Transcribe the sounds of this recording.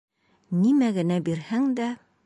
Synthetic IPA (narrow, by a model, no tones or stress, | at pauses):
nimæɡɘ̆næbiɾhæŋd̪æ